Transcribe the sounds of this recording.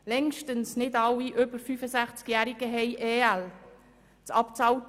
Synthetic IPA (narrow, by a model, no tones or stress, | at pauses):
lɛŋʃtənsnɪdɑwiʔʏbəɾfyfəsæχt͡skjæːɾiɡ̥əɦɛɪʔeːæl | t͡sɑpt͡sɑwt